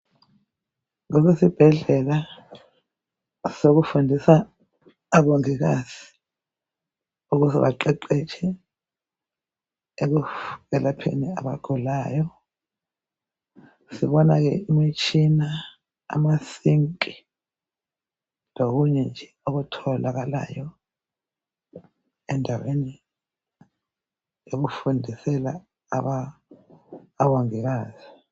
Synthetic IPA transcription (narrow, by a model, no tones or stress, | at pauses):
ŋok̬esib̥ʱɛɮɛla | sok̬ufundʱisaː | ɓoŋik̬azi̥ | uk̬uzɛɓaǃɛǃɛt͡ʃʰɛ | ek̬uɣɛlapʰḛnia̰ɓa̰ɡ̥ʱulaːjɔ | siβɔnaɣɛ̰imit͡ʃʰʼina | a̰masiŋkʼi | loɣuɲɛnd͡ʒʱɛoɣutʰɔlaɣala̰jɔ | ɛndʱaweni | oɣ̬ufundʱisɛla̰ | a | waŋɛɣaːz̥i